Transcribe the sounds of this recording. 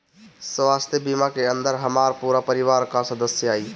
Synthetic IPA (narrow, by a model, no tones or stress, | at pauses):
sʋaːst̪jəbimakeə̃nd̪əɾɦəmaːɾpuːɾapəɾiʋaːɾkasəd̪əsjəaːiː